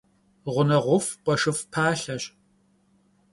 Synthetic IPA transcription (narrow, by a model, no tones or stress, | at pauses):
ʁʷʊnɐʁʷʊfqʷʼɐʂɨfpʰaːɬɐɕ